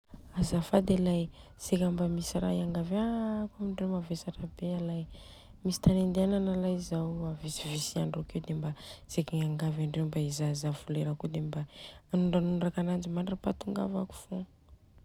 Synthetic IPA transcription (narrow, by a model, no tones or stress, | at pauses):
azafad̪elaj | sekʲambamisira̰iaŋɡavakamiɳɖ͡ʐewmavesaʈ͡ʂəbealaj | misi̥t̪anend̪ananalajizawavisivisiaɳɖ͡ʐokewd̪embaz̥ekiŋaŋɡavaɳɖ͡ʐewmbaizazav̥uleɾakud̪embaːnuɳɖ͡ʐanunɖ͡ʐakanand͡ʒimaɳʈ͡ʂəpat̪uŋɡa̰vaku̥fu